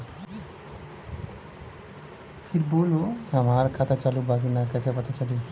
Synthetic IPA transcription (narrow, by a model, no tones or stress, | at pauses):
pʰiɾboloamaɾkʰat̪ʰat͡ʃalubaɡinakat̪ʰepʌt̪ʰat͡ʃali